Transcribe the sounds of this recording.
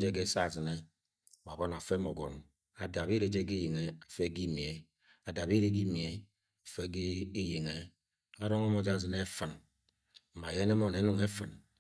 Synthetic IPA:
d͡ʒe˦ɡe˦sa˦˨zi˨ne˦˨ | ma˨bɔ˦n˨a˨fe˦mo˨ɡɔ̰˨n | a˨da˨bi˦ɾe˦d͡ʒe˦ɡi˦ji˨ŋe˦a˨fe˦ɡi˦mi˨e˨ | a˨da˨bi˦ɾe˦ɡi˦mi˨e˨ | a˨fe˦ɡi˦ji˨ŋe˦ | a˦ɾo˦ŋo˦mo˦d͡ʒa˦˨zɨ˨ne˦fɨ˨n̩˨ | ma˨je˦ne˦mo˦ne˨˦nu˦˨ŋe˦fɨ˨n

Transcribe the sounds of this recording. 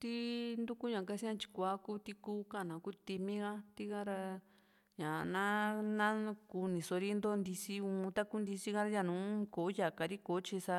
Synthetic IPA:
t̪i˦nd̪u˦ku˦ɲã˨ka˧sĩ˦ã˧t͡ʃi̥˧kʷa˨˦ku˦t̪i˧kuː˦ka˦˨nã˨ku˦t̪i˧mĩ˦ɣa˦t̪i˦ɣã˦ɾa˧ | ɲã˨nã˦nã˦ku˧nĩ˨so˧ɾi˦nd̪o˦nd̪i˧si˦ũː˧t̪a˦ku˦nd̪i˧si˦ɣã˦ɾa˦ja˧˨nũ˨˦ko˨˦ja˨ka˨ɾi˦ko˨˦t͡ʃi˧sa˧

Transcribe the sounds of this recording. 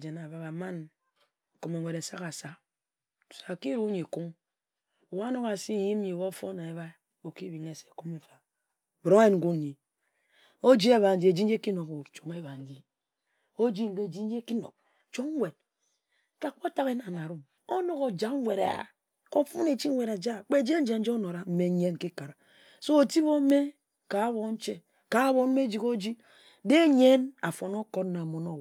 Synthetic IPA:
d͡ʒe˨na˨βa˨ba˨ma˦n˨ | ko˨me˨ŋʷe˨ɾe˨sa˦ka˨sḁ˦˨ | sa˨ki˦ɾu˦ɲi˨ku˦ŋ˨ | wa˦no˦ka˨si˦˨ji˦m˦ɲi˨wo˦fo˦na˨e˨βa˦ | o˨ki˦bi˨ŋe˦se̥˨ku˦me˨fa˨ | bɾo˦e˦ŋ̩˨ɡu˦n˨˦ɲi˨ | o˦d͡ʒi˦e˦βa˨n̩˦d͡ʒi˦e˨d͡ʒi˦n̩˦d͡ʒe˦ki˦no˨ko˨t͡ʃo˨ŋe˦βa˨n˦d͡ʒi˦ | o˦d͡ʒi˦ŋ̩˨ɡe˦˨d͡ʒi˦n̩˦d͡ʒe˦ki˦no̰˨k̚ | t͡ʃo˦ŋ˦we˨d̚ | ka˨k͡po˦ta˦ke˦na˨na˨ɾu˦m | o˦no˦ko˨d͡ʒa˨ŋ˦we˨ɾa̰˨ | ko˦fu˦ne˨t͡ʃi˦ŋ˦we˨ɾa˨d͡ʒa˦˨k͡pe˦˨d͡ʒi˦e˦n̩˦d͡ʒe˨n̩˦e˦no˨ɾa˨m̩˦me˨˦ɲe˦n˨ki˦ka˨ɾa˨ | so˦o˨ti˦βo˦me˦ | ka˨˦βo˨n̩˦t͡ʃe˦ | ka˨˦βo˨m̩˦me˦d͡ʒi˦ko˦d͡ʒi˦ | de˦ɲe˦na˨fo˨no˦ko˦tna˨mo˨no˦

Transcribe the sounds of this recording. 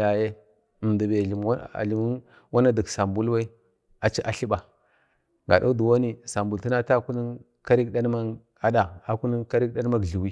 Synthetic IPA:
ja˨je˦˨ | ndi˨be˨i˨m̰˦˨ɮi˨m˦ | wa˦na˦di˨ksa˨mbu˦lwa˦i˦ | a˨t͡ʃi˦ʔa̰˨ɬi˦ba˨ | ɡa̰˨da̰˦du˨wo˦ni˦sa˨mbu˨lti˦na˦ta˦˨ku˦ni˦ | ka˦ɾi˦kɗa˦n˦ma˦ | a˦da˨a˨ku˦ni˦ka˦ɾi˦k̚ɗa˦n˦ma˦ɡɮu˨wi˦

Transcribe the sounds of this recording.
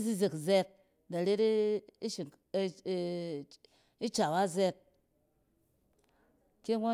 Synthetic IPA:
zi˦ze˨kzɛ˦k̚ | da˨ɾe˦ɾi˦ʃi˨ŋ˦ | i˦t͡ʃa˨wa˦zɛ˦k̚ | ke˦ŋʷo˦

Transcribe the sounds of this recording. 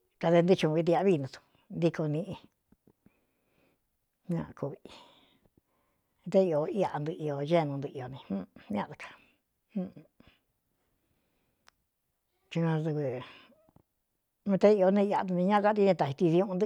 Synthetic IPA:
ka˧ðe˧nd̪ɨ˧t͡ʃũ˧βi˧t̪i˧a˧βi˦˧nũ˧t̪u̥˧ | nd̪i˧ko˧nĩ˧ʔi˧ | ɲã̰˧ku˧βi˧ | t̪e˦i˧o˧i˦˧a˧nd̪ɨ˧ʔi˧o˧ʒe˦˧nũ˧nd̪ɨ˧ʔi˧o˧nĩ˧hũ˦ɲ˧ã̰˦˧˨d̪u˧kʰḁ˧ | hũ˦˧ | t͡ʃu˧ã˧ðu˧βɨ˧ | nũ˧t̪e˦i˧o˧nẽ˧a˧u˧ĩ˧ɲã˦˧ka˦t̪i˧nĩ˧t̪a˨i˧t̪i˧ði˧ũ˦˧nd̪

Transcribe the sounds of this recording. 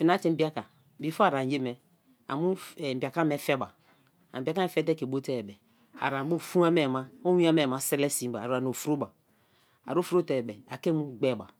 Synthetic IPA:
fi˨na˦t͡ʃe˦m̩˦bi˦a˦ka˨ | bi˨fo˦a˨ɾa˨n˨je˦mɛ˨ | a̰˨mu˦˨m̩˨bi˨a˨ka˦me˦fɛ˦ba˨ | bi˨a˨ka˦me˨fɛ˦t̬ɛ˦ke˨bo˦tɛ˦˨bɛ˨ | a̰˨ɾa˨˦bo˦˨fu˦a˦me˨ma˦o˦wi˦a˦me˨ma˨˦se˦ɾɛ˦si˨m˦ba˨ɾu˨a˨n˨o˨fu˨ɾo˦ba˨ | a̰˨ɾo˦fu˦ɾo˦te˨bɛ˨a˨ke˦mu˦ɡ͡be˦˨ba˨

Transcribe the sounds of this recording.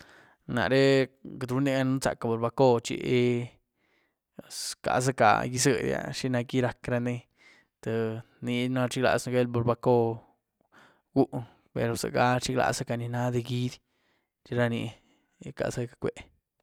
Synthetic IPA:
na̰˨ɾe˦ka˨d̪ɾu˦ni˦ɡa˧nu˦sa̰˨ka˨bo˨ɾba˧ko˧t͡ʃḭ˧ʔe˧˨ | ska̰˨s̬a˦ka̰˨ji˧sə˧d̪ja̰˧ʃi˦na˧ki˦ɾa˧kɾa˧ne˦ | t̪a˨ | ni˧na˧t͡ʃi˦ɡla̰˧˨sna˧ɡe˦lbo˧˨ɾba˧ko˦ | ɡu˦ʔ | pḛ˨ɾo˨sa̰˨ɡa˦t͡ʃi˦kla̰˧sa˦ka˨ni˧na˦d̪e˧ɡi˦d̪ | t͡ʃi˧ɾa˧nḭ˧ | ka̰˧sa˦kḁ˨kʷe˨

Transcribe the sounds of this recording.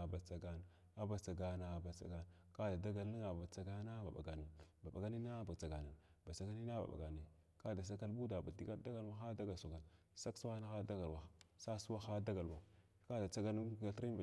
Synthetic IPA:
ba˨t͡sa˨ɡa˨n˨ | a˦ba˨t͡sa˨ɡa˨na˨ba˨t͡sa̰˨ɡa˨n˨ | ka˦da˨da˦ɡa˨lːi˦ŋa˨ba˨t͡sa˨ɡa˦na˦ba̰˨ɓa̰˨ɡa˨ni˨ba˨ɓa̰˨ɡa˦ni˦na˦ba˨t͡sa˨ɡa˨na˨n | ba˨t͡sa˨ɡa˦ni˦na˦ba̰˨ɓa̰˨ɡa˨ni˨ | ka˦da˨s̬a˦ka˦lbu˦da˨ba˨di˦ka˦da˦ɡa˦lwa˦xa˦da˦ɡa˨sa˨ka˨n | sa˦ksu˦wa˦na˦ɣa˦da˦ɡa˨lwa˨xsa˦su˦wa˦xa˦da˦ɡa˨lwa˨˦ | ka˦da˨t͡sa˦ɡa˦n˦a˨ɬɾi˦ba˨

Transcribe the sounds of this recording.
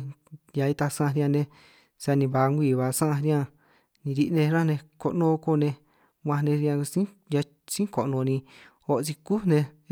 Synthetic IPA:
ja˧i˧t̪a˧sã˦˧ɾã˧nẽ˧ | sa˧nĩ˧βa˧ŋɡʷiː˧˨βa˨˧sã˦ʔɾjã˧ | nĩ˧ɾi˧ʔnẽ˧ɾã˦˧nẽ˧ko˧ʔnõ˧ko˧˨nẽ˧ | wʷã˧nẽ˧ɾã˧sĩ˦ | ja˧ | sĩ˦ko˨ʔnõ˧nĩ˧ | o˧ʔt͡si˧ku˦nẽ˧

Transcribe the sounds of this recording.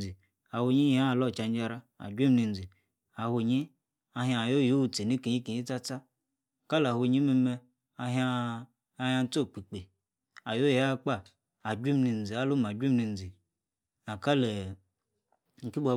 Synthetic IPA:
i˨ | a˨ho˧ɲi˦a˦˨lɔ˦˨t͡ʃa˧n˦d͡ʒa˧ɾa˧a̰˨d͡ʒʷi˦m˦ni˧n̩˨d͡zi˨ | a˨ho˧ɲi˦ | a˧ɦa˧˨jo˦˨jo˦u˧t͡se˨ni˦ki˨ɲi˦ki˨ɲi˦t͡sa˦t͡sa˦˨ | ka˦la˨ho˧˨ɲi˦me˧mɛ˧ | a˧ɦaː˧˦ | ha˧n˦t͡so˦˨k͡pi˨k͡pe˨ | a˨jo˦je˨˦a˦k͡pa˦˨ | a˨d͡ʒʷi˦mni˧n̩˨d͡zi˨a˦lo˦ma˨d͡ʒʷi˦mni˧n̩˨d͡zi˨ | a˨ka˦lɛ˨ | ŋ̩˨ki˦bʷa˧

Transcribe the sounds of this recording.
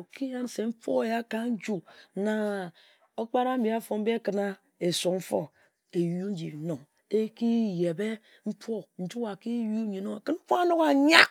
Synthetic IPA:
o˨ki˦ja˦n˨se˨m̩˦po˦e˨ja˦ka˦n̩˦d͡ʒu˦na˨ | o˦k͡pa˦ɾa˦mi˨a˦fo˨m̩˦bi˦a˦kɨ˨na˦ | e˨su˨m̩˦fo˦ | e˨ju˦n˦d͡ʒḭ˨no˨ŋ | e˦ki˦je˨be˦ | m̩˦po˦n̩˦d͡ʒu˦a˨ki˦ju˦ɲi˨no˦ŋa˨kɨ˦nm̩˦po˦a˦no˦ɣa˨ɲa˦

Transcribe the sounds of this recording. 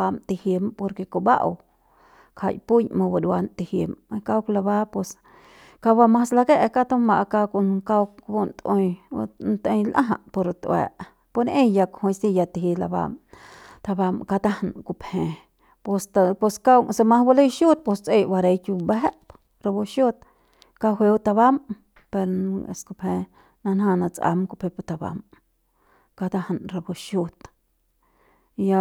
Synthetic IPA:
a˧mt̪i˧hji˧mpo˧ɾke˧ko˧ba˦ʔ | kʰa̰˧˨jpu˦ɲmã˧ba˧d̪wa˧nt̪i˧hi˧m˧ka˧wkla˧ba˦po˧s | ka˧ba˧mã˦sla˧ke˦ʔka˦t̪o˦ma˨ʔka˧ko˧nka˧wkbo˧nt̪õ˧ja̰˧nt̪ẽ˧jlʔã˦ɦa̰˧˨ʔpo˧ɾt̪wɛ̰˧˨ʔ | po˧nẽ˦ja˧kho˧jsi˧ja˧t̪i˨ɦi˧la˧ba̰˧m | t̪a˧ba˧mka˧t̪a˦hnku˧phẽ˧ | po˧st̪a˧po˧ska˦wŋsa˧mã˦hba˦le˦jʃu˦t̪̚po˧st͡se˧jba˧ɾe˧jkju˧be˦ɦe˦ʔp | ɾa˧bo˧ʃju˦t̪̚ | ka˧ɦʷwe˧wt̪a˧βa˦m | pe˧ɾḛ˨sku˧phẽ˧ | na˧nɦã˧na˧t͡sa̰˧mku˧phe˧pt̪a˧ba̰˨˧m | ka˧t̪a˦hnɾa˧bo˧ʃu˧t̪ | ja˧

